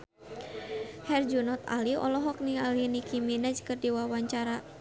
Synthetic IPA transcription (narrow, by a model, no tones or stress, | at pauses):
hɛrd͡ʒunɔt̪a̰liɔ̰lɔɦɔk̚nialinikiminad͡ʒkɨrdiwawaɲt͡ʃaɾa